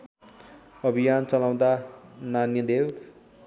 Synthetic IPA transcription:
ʌbʱijant͡sʌlaw̃d̪ananjʌd̪ew

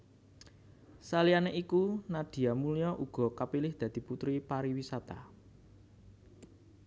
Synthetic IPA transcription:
salianeʔikunad̪̥i̤amulijɔʔuɡ̥ɔ̤kapilɪhd̪̥ä̤d̪̥i̤put̪ɾipaɾiwisat̪a̰

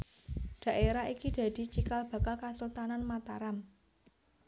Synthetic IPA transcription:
ɖ̪̥ä̤ʔeɾaikid̪̥a̤d̪̥i̤t͡ʃikalb̥a̤kalkasult̪ananmat̪aɾam

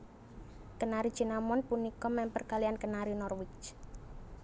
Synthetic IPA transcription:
kənaɾid̥d͡ʒ̥i̤namɔnpunikɔmɛmpərkaliankənaɾinɔrwɪt͡ʃ

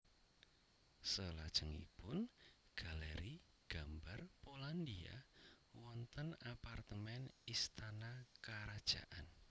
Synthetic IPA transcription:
səlad̥ʒ̥əŋḭpʊnɡ̥aleɾi | ɡ̥ambarpoland̪ia̰ | wɔnt̪ənapart̪əmɛnist̪anakaɾad̥ʒ̥a̰ʔan

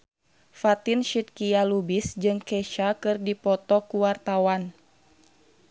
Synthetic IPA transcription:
fat̪inʃit̪̚kialubisd͡ʒɨŋkɛʃakɨrdipɔt̪ɔkuwart̪awan

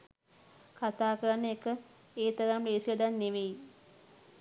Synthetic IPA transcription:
kat̪aːkəɾənːəekə | eːt̪əɾambeːsiəd̪anːeʋei

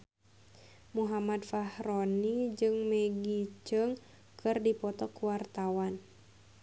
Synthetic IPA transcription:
muɦamadfahronid͡ʒɨŋmɛɡit͡ʃəŋ | kʰɨrdipɔt̪ɔkuwart̪awan

